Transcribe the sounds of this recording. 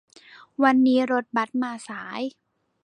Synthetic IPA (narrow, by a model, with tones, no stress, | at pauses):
wa˧nːiː˦˥ɾo˧˥t̪̚ba˨˩t̪̚maː˧saː˩˦j